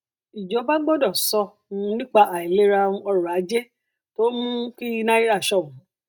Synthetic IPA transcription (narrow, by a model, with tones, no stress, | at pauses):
i˨d͡ʒɔ˨˦ba˦ɡ͡bɔ˦dɔ˦˨sɔ˧ | ũ˧˨˦nĩ˦k͡pa˧ʔa˨i˨le˨˦ɾa˧wũ˧ɔ˧ɾɔ̃˨a˨˦d͡ʒe˦ | to˦mũ˦ki˦nã˦i˦ɾa˦˨ʃɔ˦˨ũ˨